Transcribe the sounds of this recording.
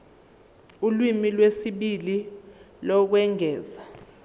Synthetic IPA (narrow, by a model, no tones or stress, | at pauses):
ulwimilwesiɓili | lɔk̬wɛŋʱɛːza